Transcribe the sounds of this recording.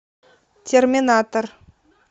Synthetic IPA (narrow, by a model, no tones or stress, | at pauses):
tʲermʲinat̪or